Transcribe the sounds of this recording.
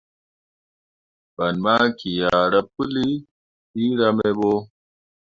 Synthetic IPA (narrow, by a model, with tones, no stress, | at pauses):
b̥ɐ˨nmaː˦ki˨jaː˨ɾɐ˦p̚u˦li˦ | iː˦ɾɐ˦me˦bo˦